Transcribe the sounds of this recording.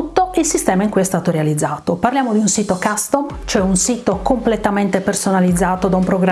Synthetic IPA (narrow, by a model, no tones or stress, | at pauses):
t̪ːoilsist̪ɛːmaiŋkujɛst̪aːt̪oɾealid̪zːaːt̪oparljaːmod̪iunsiːt̪okast̪om | t͡ʃoɛunsiːt̪okomplet̪ament̪epersonalid̪zːaːt̪od̪aumpɾoɡɾ